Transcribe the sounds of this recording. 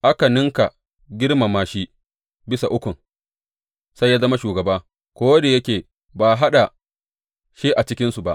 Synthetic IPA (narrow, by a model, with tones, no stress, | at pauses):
ʔa˦ka˨nɪ˦ŋka˨ | ɡʲɪ˦ɽma˨maː˨ʃi˦ | bɪ˦sa˨ʔʊ˦kʷʊ˨ŋ | sa˦jːaː˦zɐ˦ma˦ʃuː˨ɡɐ˨baː˦ | kʷoː˦wɐ˦de˨jɐ˦kʲeː˨ | baː˨ɦa˦ɗa˨ | ʃi˦ʔa˨t͡ʃɪ˦kʲɪ˦nsu˨ba˦ʔ